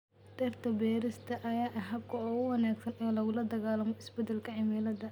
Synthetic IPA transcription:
d̪̥ɐrt̪ʰɐbɛːɾɪst̪ʰɐʔɐjaːʔɐɦɐb̚kʰɐɔːʊwɑnaːɡsɐnɛːlɐɣʊlɐd̪ɐɣaːlɐmɔʔɪsbɛd̪ɛlkʰɐʕɪmɛlɐd̪ɐ

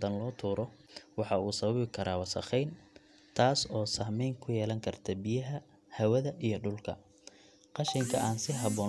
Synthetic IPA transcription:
d̪ɐnlɔːt̪ʰuːɾɔ | wɑħɑuːsɐβɐβɪkʰɐɾaːwɑsɐ̰χɛjn | t̪ʰaːsɔːsɐhmɛjŋkʰʊjɛːlɐŋkʰɐrt̪ʰɐbɪjɐɦɐ | hɐwɐðɐʔijɞɖʊlkʰɐ̰ | qɑʃɪŋkʰɐʔaːnsɪɦɑβɔː

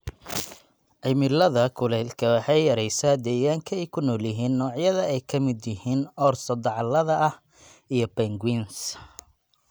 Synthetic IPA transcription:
ʕɪmɪlɐðɐkʰʊlɛlkʰɐwɑħɑjjɐɾɛjsaːd̪ɛːɣaːŋkʰɐɛjkʰʊnɔːljɪɦiːnːɔːʕjɐðɐɛjkʰɐmɪd̪jɪɦiːnɔrsɐd̪ɑʕɑlɐðɐʔɐh | ijɞbɛŋɡwins

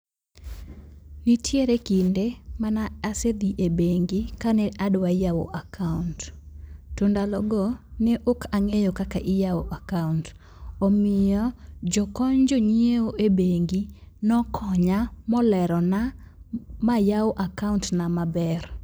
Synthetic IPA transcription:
nitʰjeɾekindemanaased̪iʔebeŋɡikanɛʔadwajawo̰ʔakʰaunt | tːundalɔɡɔneʔokaŋejokakaʔɪjaoʔakaunt | omɪjɔd͡ʒɔkɔɲd͡ʒoɲieoʔebeŋɡinɔkʰɔɲamɔlɛɾɔna | majawoʔakauntnamabɛr

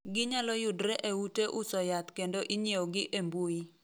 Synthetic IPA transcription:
ɡɪɲalɔjʊdɾɛʔeuteʔʊsɔjat̪kendoʔiɲjeoɡɪʔembui

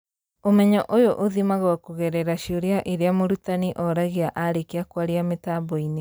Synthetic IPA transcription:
omɛɲɔʔojoʔoðimaɣawakoɣɛɾɛɾaʃioɾeaʔeɾeamoɾutaniʔɔɾaɣeaʔaɾekeakwaɾeametabɔine

